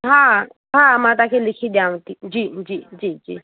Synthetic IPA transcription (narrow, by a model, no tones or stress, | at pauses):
ɦa | ɦamatakʰɛlikʰidjaŋ̩tid͡ʒid͡ʒid͡ʒid͡ʒi